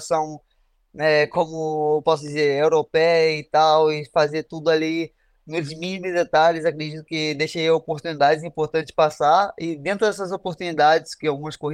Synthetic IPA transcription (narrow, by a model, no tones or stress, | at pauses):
sɐ̃w̃ | nɛkõmʊewpɔsʊd͡ʒizeɾewɾopɛjɐit̪awɪfazeɾt̪ud̪ʊali | nʊzmĩnmʊzd̪et̪aʎʊzakɾed͡ʒit̪ʊ̃kɪd̪ejʃeiɐopoɾt̪ũnid̪ad͡ʒɪzĩpoɾt̪ɐ̃t͡ʃɪ̥spasaɪd̪ẽnt̪ɾʊd̪ɛsɐzopoɾt̪unid̪ad͡ʒɪskɪawɡũmɐskohi